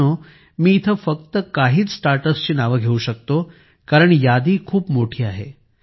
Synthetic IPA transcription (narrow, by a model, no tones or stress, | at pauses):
o | miːt̪ʰəfək̚t̪əkaɦiːt͡ssʈaɾʈəst͡ɕiːnaʋəɡʱeuɕək̚t̪o | kaɾəɳ̃jad̪ikʰuːpmoʈʰiːaɦe